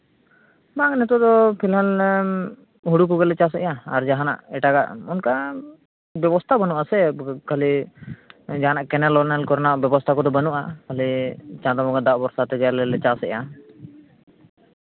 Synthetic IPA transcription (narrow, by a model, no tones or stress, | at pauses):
maŋnɛt̪ɔd̪ɔpʰilɦal | ɦuɽuk̬ɔɡɛlɛt͡ʃasɛ̰ʔjaaɾd͡ʒaɦana̰ʔɛʈaɡa̰ʔunka | bɛbɔst̪ʰabənuʔasɛkali | d͡ʒaɦanaʔkɛnɛlɔnɛlkɔɾnaʔbɛbɔst̪ʰakɔd̪ɔbənuʔakalit͡ʃãd̪amɔɡad̪aʔbɔɾsat̪ɛɡɛlɛlɛt͡ʃasɛ̰ʔja